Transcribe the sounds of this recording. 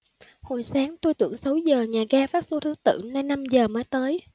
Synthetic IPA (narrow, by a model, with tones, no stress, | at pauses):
ho˨˩jsaː˨˦ŋt̪o˧jt̪ɨ̰˧˩əŋsə˨˦wzəː˨˩ɲaː˨˩ɣaː˧faː˦˥t̚so˧t̪ɨ˨˧˦ət̪ɨ̰˧˨naː˧jna˧mzəː˨˩maː˨˦jt̪əː˨˦j